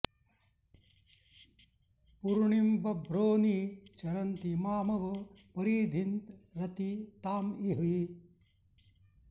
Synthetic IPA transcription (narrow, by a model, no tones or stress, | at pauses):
puɾɳimbɐbʱɾoːniːt͡ʃɐɾɐnt̪imaːmɐʋɐpɐɾiːd̪ʱint̪ɾɐt̪it̪aːmiɦi